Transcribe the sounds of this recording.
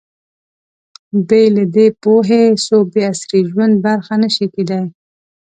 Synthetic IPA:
bejlad̪epoɦesobeasɾiʒwand̪̚baɾxanəʃiked̪aj

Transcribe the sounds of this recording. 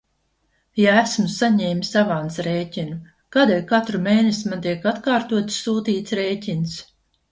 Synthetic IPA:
jaæsmusaɲɛːmisavansɾeːcʲinu | kaːd̪elkat̪ɾumeːnɛsimant̪iɛkat̪kaːɾt̪uɔt̪ssuːt̪iːt̪sɾeːcʲins

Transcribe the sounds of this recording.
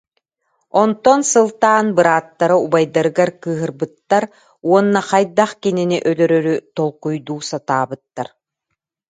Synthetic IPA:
ɔnt̪ɔnsɯlˠt̪aːnbɯɾaːt̪ːaɾɯubajd̪aɾɯɡaɾkɯːɦɯɾbɯt̪ːaɾ | uɔnːaχajd̪aχkininiʔœlœɾœɾyt̪ɔlˠqujd̪uːsat̪aːbɯt̪ːaɾ

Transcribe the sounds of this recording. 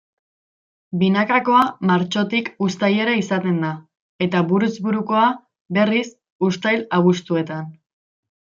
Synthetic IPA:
binakako̞amaɾt͡ʃo̞t̪ikust̪aje̞ɾaisat̪e̞nd̪a | e̞t̪aβuɾuzbuɾuko̞a | be̞ris | ust̪ajlaβust̪ue̞t̪an

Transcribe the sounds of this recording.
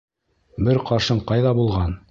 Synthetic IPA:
bɘɾqɑɾʃɤɴqɑjðɑbulˠʁɑn

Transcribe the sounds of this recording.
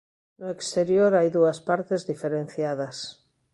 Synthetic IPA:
nʊekst̪eɾjoɾajðuɐspaɾt̪ezðifeɾẽn̟θjað̞ɐs

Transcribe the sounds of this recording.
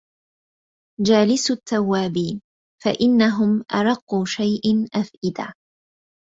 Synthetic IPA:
d͡ʒaːlɪsʊt̪ːawːaːbiːn | fa̰ʔɪnːaɦʊmʔɑ̰ɾˤɑqːuːʃajʔanʔafʔɪd̪a̰ː

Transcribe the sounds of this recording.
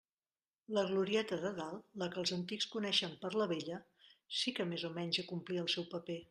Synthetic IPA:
ləɣluɾiɛt̪əðəðalˠːəkəlˠzənt̪ikskunɛʃəmpəɾləβeʎə | sikəmezomɛɲʲzəkumpliəlˠsɛwpəpe

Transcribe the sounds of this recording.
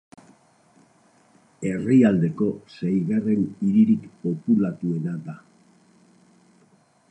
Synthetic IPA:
e̞riald̪e̞ko̞sejɣare̞niɾiɾikpo̞pulat̪ue̞nad̪a

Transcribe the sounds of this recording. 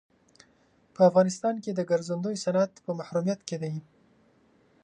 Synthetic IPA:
pəafɣɑnɪst̪ɑnked̪əɡaɾzand̪ojsanat̪pəmahɾumijat̪ked̪aji

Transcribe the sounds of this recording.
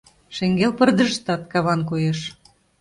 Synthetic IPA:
ʃeŋɡelpərd̪əʃt̪ɑt̪̚kɑβɑnkojeʃ

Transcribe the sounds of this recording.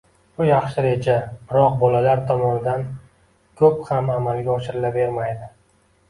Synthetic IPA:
bʊjɑχʃɪɾe̞d͡ʒabɪɾɒq̚bɒlalaɾt̪ʰɒmɒnɪd̪an | kʰɵphamamalɡʲaɒʃɪɾɪlabe̞ɾmajd̪ɪ

